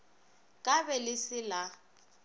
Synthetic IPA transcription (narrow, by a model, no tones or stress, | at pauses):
kʼabɛlɪsɪla